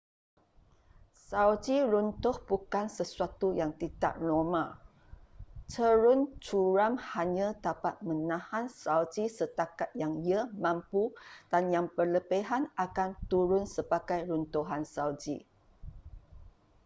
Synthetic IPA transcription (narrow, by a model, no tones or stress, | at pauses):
sawd͡ʒiɾunt̪ʊhbukansəsuat̪ujaŋt̪it̪a̰ʔlomã | t͡ʃəɾʊnt͡ʃuɾamhaɲãdapat̪̚mə̃nãhansawd͡ʒisət̪akat̪̚jaŋiəmãmpud̥anjaŋpərləpeɦanakant̪uɾʊnsəbaɡajɾunt̪uɦansawd͡ʒḭ